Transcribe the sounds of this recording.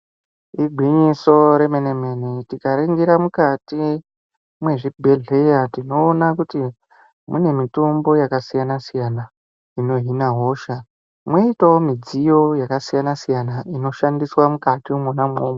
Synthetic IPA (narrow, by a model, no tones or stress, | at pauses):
iɡʱwiɲiso̞ɾe̞menemenitikaɾiŋɡiɾamukati | mwe̞ʐibʱe̞ɮe̞jatino̞ːnakuti | mune̞mitombo̞jakasijanasijana | ino̞ɦinaɦo̞ʃa | mweitaomid͡zijo̞jakasijanasijanaino̞ʃandiswamukatimonamoːmo